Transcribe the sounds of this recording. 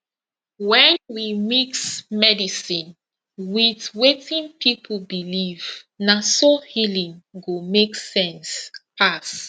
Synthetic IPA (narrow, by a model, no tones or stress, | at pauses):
wɛ̃nwimiksmɛdisĩn | wiθwetĩnpʰipʰobiliv | nasohilĩŋɡomeksɛ̃nspas